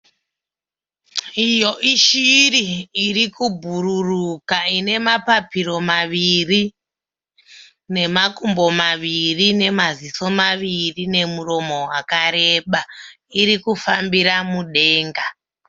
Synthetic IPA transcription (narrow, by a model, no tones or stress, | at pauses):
ijo̞ʔiʃiriːɾikubʱuɾurukaine̞mapapiro̞maʋiri | ne̞makumbo̞maʋirine̞maziso̞maʋirine̞muro̞mo̞ɦwakaɾe̞ɓa | iɾikufambiɾamuɗe̞ːŋɡa